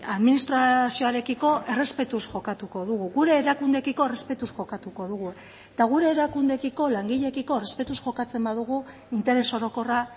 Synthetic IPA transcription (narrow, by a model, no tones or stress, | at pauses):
aðminist̪ɾasio̞aɾe̞kiko̞ʔe̞re̞spe̞t̪usʝo̞kat̪uko̞ðuɣuɣuɾe̞ːɾakund̪e̞kiko̞ere̞spe̞t̪usʝo̞kat̪uko̞ðuɣ̞u | et̪aɣ̞uɾe̞ːɾakund̪e̞kiko̞laŋɡiʎe̞kiko̞erespe̞t̪usʝo̞kat͡se̞mbaðuɣ̞u | int̪e̞ɾe̞so̞ɾo̞ko̞ra